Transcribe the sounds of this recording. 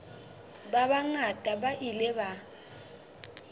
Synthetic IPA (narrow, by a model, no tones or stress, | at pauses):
baβaŋatʼabaʔilɛba